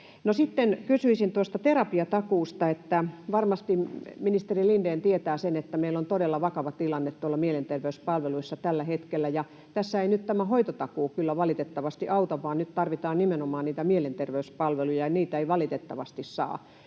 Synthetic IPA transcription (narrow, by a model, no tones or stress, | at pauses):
nosit̪ːenkysyisint̪uost̪ɑt̪erɑpiɑt̪ɑkuːst̪ɑet̪ːæʋɑrmɑst̪iminist̪erilindeːnt̪iet̪æːsenet̪ːæmeilːont̪odelːɑʋɑkɑʋɑtt̪ilɑnːet̪t̪uolːɑmielent̪erʋeyspɑlʋeluisːɑt̪ælːæhet̪kelːæjɑ | t̪æsːæeinyt̪t̪æmæhoit̪ot̪ɑkuːkylːæʋɑlit̪et̪ːɑʋɑst̪iʔɑut̪ɑʋɑːnnyt̪t̪ɑrʋit̪ɑːnnimenomɑːnniːt̪æmielent̪erʋeyspɑlʋelujɑeniːt̪æeiʋɑlit̪et̪ːɑʋɑst̪issɑ̰ː